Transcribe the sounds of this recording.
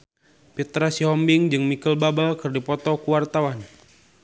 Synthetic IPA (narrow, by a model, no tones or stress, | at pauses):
pit̪ɾasiɦɔmbiŋd͡ʒɨŋmikəlbabalkɨrdipɔt̪ɔkuwart̪awan